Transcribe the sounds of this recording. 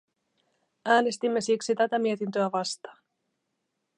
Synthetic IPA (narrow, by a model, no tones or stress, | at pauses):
æːne̞st̪imːe̞siksit̪æt̪æmie̞t̪int̪øæʋɑst̪ɑː